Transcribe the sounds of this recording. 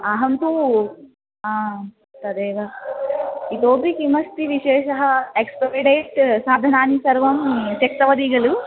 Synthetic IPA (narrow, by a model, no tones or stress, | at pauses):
ɐɦɐnt̪u | aː | t̪ɐd̪eːʋɐ | it̪oːbikimɐst̪iʋiʃeːʃɐɦɐekspɐiɖeːʈsaːd̪ʱɐnaːnisɐɾʋɐmsɐk̚t̪ɐʋɐd̪iɡɐlu